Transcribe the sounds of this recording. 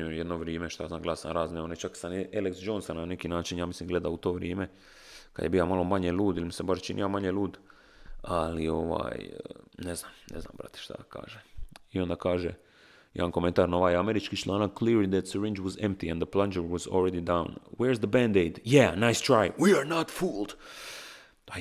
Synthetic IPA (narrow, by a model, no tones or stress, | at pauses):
ojed̪noʋɾiːmeʃt̪ojaznaːɡlasa̰nɾaːzneonet͡ʃaksanʔeliksd͡ʒonsanːanekinaːt͡ʃinjaːmislimɡle̞d̪aut̪o̞ːʋɾjeːme̞ | kad̪jebijamalo̞maɲelˠuːd̪ilmisebaʃt͡ʃinʔḭjamaɲeluːd̪ | alio̞ʋa̰ːjneznamnʔezna̰ːmbɾa̰t̪e̥ʃt̪a̰ka̰ːʒeio̞nd̪akaːʒe | jḛankoment̪aɾnoʋaːjameɾit͡ʃkit͡ʃlˠaːnakkliɾlid̪ɛt̪səɾĩnd͡ʒwɔzẽmp̚t̪iɛ̃nd̪əplˠand͡ʒəɹwɔzo̰lˠɾed̪id̪awnwɛɹzd̪əbænd̪ejd̪jænajst̪ɾajwiaɾnat̪fuːlˠd̪